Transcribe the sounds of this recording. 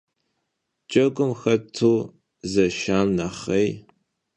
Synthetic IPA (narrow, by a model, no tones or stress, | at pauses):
t͡ʃʼɐɡʷʼʊmxɐtʰuː | zɐʃaːnnaχɐj